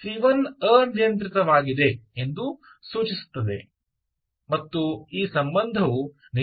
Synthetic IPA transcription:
ʃɾiʋɐnɐnijɐnt̪ɾit̪ɐʋaːɡid̪e̞end̪u | suːt͡ʃisu̥t̪ːɐd̪e̞̰ | mɐt̪ːuiːsɐmbɐnd̪ʱɐʋu | ni

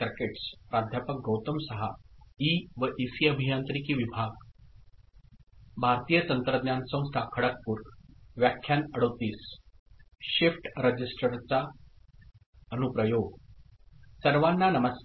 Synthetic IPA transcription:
ɾkeʈspɾad̪ʱjapək̚ɡowt̪əmsəɦaiʋəʔisiəbʱijant̪ɾikiːʋibʱaɡ | bʱaɾt̪ijət͡sənt̪ɾəd̪njansə̃w̃st̪ʰakʰəɽək̚puːɾʋjakʰːjanəɽət̪iːs | ɕifʈɾəd͡ʑisʈɾəɾt͡sa | ənupɾəjoɡ | səɾʋanːanəməs

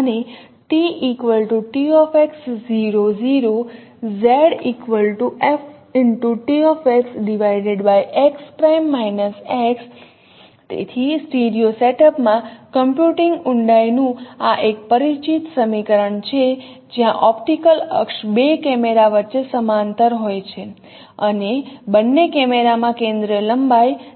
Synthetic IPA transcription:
əne | ʈiʔikʋəlʈuʈiɔfeksziɾoziɾo | zɛɽikʋəlʈuʔef | ɪɳʈuʈiɔfeksɖiʋajɖeɖbajʔekspɾajmːajnəseks | t̪ḛt̪ʰisʈiɖijoseʈəpmãkəmpjuʈɪŋɡʊɳɖajnũaʔek̚pəɾit͡ʃit̪səmikəɾəɳt͡ʃʰe | d͡ʒjãʔɔpʈikələ̰kʃbekɛmeɾaʋətːt͡ʃesəmant̪əɾɦojt͡ʃʰe | ənebənːekɛmeɾamãkẽnd̪ɾiələmbaj

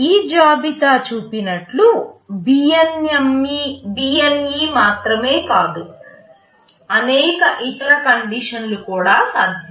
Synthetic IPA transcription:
iːd͡ʒaːbit̪aːt͡ʃuːpinɐʈlubiɐnjɐmːibiːjɐnjiːmaːt̪ɾɐmeːkaːd̪u | ɐnɛːkɐʔit̪ɐɾɐkɐɳɖiːʂɐnlukuːɽaːsaːd̪ʱjɐ

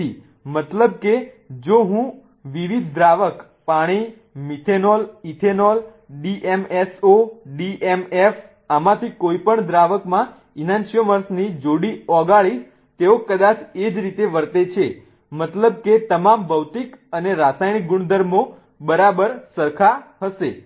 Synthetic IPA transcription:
i | mət̪ləb̚ke | d͡ʒoɦũ | ʋiʋid̪̚ʱːɾaʋək | paɽ̃i | mit̪ʰenolit̪ʰenol | ɖiʔemɛsoɖiʔɛmef | amãt̪ʰikoipəɳd̪ɾaʋəkmã | inãnʃioməɾsnid͡ʒoɽiɔɡaɭis | t̪eokəd̪at͡ʃʰed͡ʒɾit̪eʋəɾt̪et͡ʃʰe | mət̪ləbket̪əmambəʋt̪ikəneɾasajɽ̃ik̚ɡuɳ̃d̪əɾmo | bəɾabəɾsəɾkʰaɦəʃe

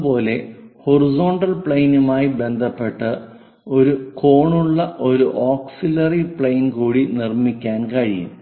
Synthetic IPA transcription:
po̞ːle̞horizo̞ːɳɖɐlpɭejnumaːjibe̞nd̪ʱɐpːe̞ʈːɨ | o̞ɾuko̞ːɳuɭːɐʔo̞ɾuʔoːksilɐripɭejnkuːɽinirmikʲːaːnkɐɻijṵm

